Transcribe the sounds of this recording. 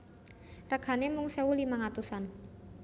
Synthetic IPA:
rəɡ̥anemuŋseulimaŋat̪usan

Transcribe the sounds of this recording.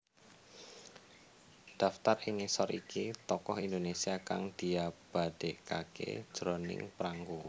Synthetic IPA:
d̪̥a̤ft̪ariŋisɔɾikit̪ɔkɔɦind̪onesiakaŋd̪̥i̤ab̥a̤ɖ̥eʔkakḛd̥ʒ̥ɾonɪ̰ŋpɾaŋɡo

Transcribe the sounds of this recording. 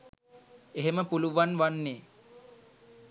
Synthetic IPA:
eɦeməpuluʋanʋanːeː

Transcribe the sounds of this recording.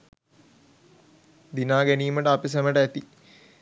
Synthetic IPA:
d̪inaːɡæniːməʈəapis̬æməʈəæt̪i

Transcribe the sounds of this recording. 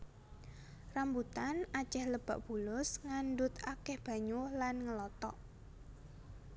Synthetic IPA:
rambut̪anat͡ʃɛhləb̥a̤ʔb̥ṳlʊsŋanɖʊt̪akɛhb̥a̤ɲulanŋəlɔt̪ɔʔ

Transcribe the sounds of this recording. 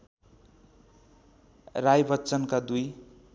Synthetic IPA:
rajbʌtːt͡sʌnkad̪uj

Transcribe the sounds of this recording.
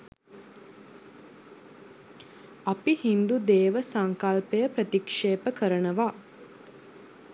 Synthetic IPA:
ɐpihind̪ud̪eːʋəsɐŋkalpejəpɾət̪ikʂeːpəkəɾənəʋaː

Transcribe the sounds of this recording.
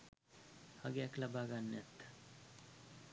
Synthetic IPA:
haɡeɛklabaːɡanːɛt̪ː

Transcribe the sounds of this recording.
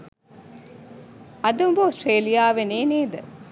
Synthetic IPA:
ɐd̪umbəosʈreːlijaːʋeneːneːd̪ə

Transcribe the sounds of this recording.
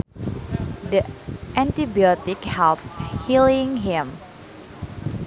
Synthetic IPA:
dəʔɛ̃nt̪ibiɔt̪ɪkhɛlp̚hilɪ̃ŋɦɪ̃m

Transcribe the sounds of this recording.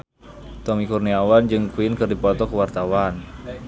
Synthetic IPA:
t̪ɔmikurniawand͡ʒɨŋkuinkɨrdipɔt̪ɔkəwart̪awan

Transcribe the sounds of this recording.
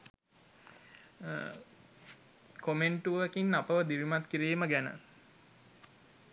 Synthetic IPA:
komeɳʈuekinːapəʋəd̪iʋimat̪kiɾiːməɡænə̰

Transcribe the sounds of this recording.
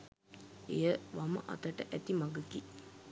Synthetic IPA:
ejəʋamə̰ʔɐ̰t̪aʈəʔæt̪imaɡəki

